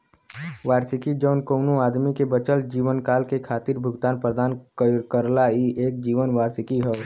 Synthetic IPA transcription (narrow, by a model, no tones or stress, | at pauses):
ʋaːɾsɪkid͡ʒəːnkoːnoaːd̪mikebət͡ʃəld͡ʒiːʋənkaːlkekʰaːt̪ɪɾbʱʊɡt̪aːnpɾəd̪aːnkkəɾlaiʔeːk̚d͡ʒiːʋənʋaːɾsɪkiɦɛ